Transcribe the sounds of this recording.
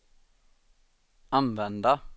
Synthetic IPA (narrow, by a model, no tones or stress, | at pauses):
ɑnʋɛnd̪ɑ